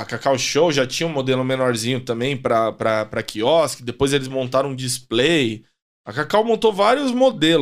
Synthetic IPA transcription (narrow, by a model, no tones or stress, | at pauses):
ɐkakawʃowʒat͡ʃĩɲɐ̃ũmod̪elʊmenɔɾzĩɲʊt̪ɐ̃mbẽj̃pɾɐpɾɐpɾɐkʰiɔskɪd̪epojzelɪzmõnt̪aɾɐ̃d͡ʒisplej | ɐkakawmõnt̪ovaɾjʊzmod̪el